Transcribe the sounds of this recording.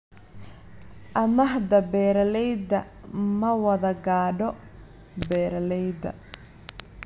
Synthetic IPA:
ʔɐmɐɦd̪ɐbɛːɾɐlɛjd̪ɐ | mɐwɐðɐɡaːɖɔ | bɛːɾɐlɛjd̪ɐ̰

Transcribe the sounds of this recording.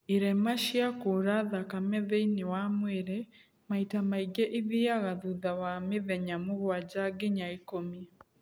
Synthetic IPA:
iɾɛmaʃiakuɾaðakamɛðɛinewamwɛɾɛ | maitamaiɡɛʔiðiaɣaðuðawameðɛɲamoɣwad͡ʑaɡeɲaekomiɛ

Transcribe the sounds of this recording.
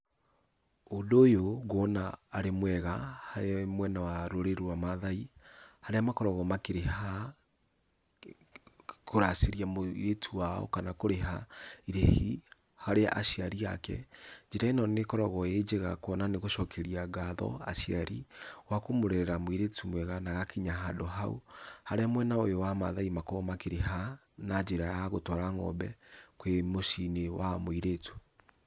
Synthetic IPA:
odoːjoɣonaːɾemwɛɣahaemwɛnawaɾoɾeɾamaðaihaɾeamakɔɾɔɣɔmakeɾeha | kʰoɾaseɾiamoḭɾetʰuaɔ̰kanakoɾeɦaiɾehi | haɾea̰ʔaʃiaɾia̰kɛ̰d͡ʒiɾainɔnekɔɾɔɣɔed͡ʒeɣakwɔnaneɣoʃɔkʰɛɾiaɡaðɔ̰a̰ʃiaɾiwakomoɾɛɾɛɾamoiɾetumwɛɣanaɣakʰiɲaɦadɔɦaṵhaɾeamwɛnaojowama̰ðaimakɔmakeɾeɦa | nad͡ʒeɾajaɣotɔɾaŋɔ̰bɛkwemoʃinewamoiɾetu̥

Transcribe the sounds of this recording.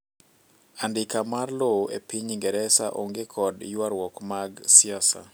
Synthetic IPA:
andɪkamarloḛpiɲiŋɡɛɾɛsaʔo̰ŋɡekʰɔdjwaɾwɔkmaɡsɪasa̰

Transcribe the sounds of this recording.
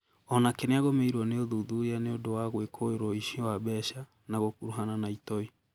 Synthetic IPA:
ɔnakeneaɣomeiɾwɔneoðuðujaneodowaɣwekʰoeɾwɔiʃiɔwaβɛʃa | naɣokuɾuɦananaitɔi

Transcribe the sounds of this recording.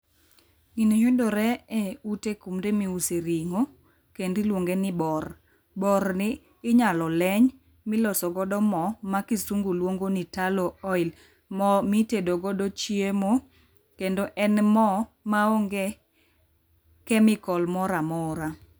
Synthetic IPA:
ŋinojʊdoɾɛeutekumdemiuseɾiŋo | kendɪlwoŋɡenɪbɔr | bɔɾnɪː | ɲalɔlɛɲ | mɪlɔsɔɡɔdɔmɔmakisuŋɡolwoŋɡonitalɔɔɪl | mɔmitedoɡɔdɔt͡ʃiemo | kendoʔɛnmɔmaoŋɡe | kɛmɪkɔlmɔɾamɔɾa

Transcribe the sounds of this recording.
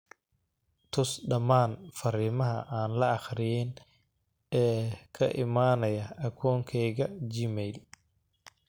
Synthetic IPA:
t̪ʰʊsɖɐmaːnfɐɾiːmɐɦɐ̰ʔaːnlɐɑχɾɪjɛn | ɛːkʰɐʔɪmaːnɐjɐʔɐkʰɔːŋkʰɛjɣɐd͡ʒɪmɛjl

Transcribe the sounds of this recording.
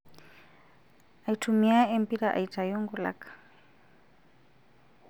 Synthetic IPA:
aitʰumiaempiɾaʔa̰itʰʼajɔŋɡula̰kʰḁ

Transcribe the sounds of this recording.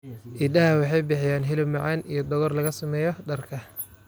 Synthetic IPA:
ʔɪd̪ɐhɐwɑħɑjbɪħɪjaːnɦɪlɪbmɑʕɑːnijɞd̪ɔɣɔrlɐɣɐsɐmɛːjɔɖɐrkʰɐ

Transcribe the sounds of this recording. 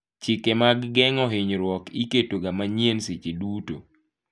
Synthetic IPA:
t͡ʃɪkemaɡːɛŋɔɦɪɲɾwɔkiketoɡamaɲjensit͡ʃiduto̰

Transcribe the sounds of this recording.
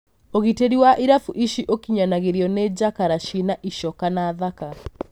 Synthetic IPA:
oɣiteɾiwaʔiɾafuʔiʃiʔokiɲanaɣeɾiɔned͡ʒakaɾaʃinaʔiʃɔkanaðaka

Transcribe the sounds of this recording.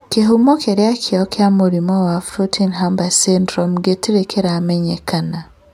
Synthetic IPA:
keɦumokeɾeakʰiɔkjamuɾimɔwafɾutʰinɦambasendɾomɡetiɾekeɾamɛɲɛkʰana

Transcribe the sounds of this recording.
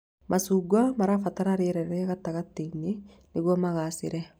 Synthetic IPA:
mʔasuɡwamaɾafataɾaɾeɾɛɾɛɣatːaɣatːine | neɣwɔmaɣasɪ̰ɾɛ

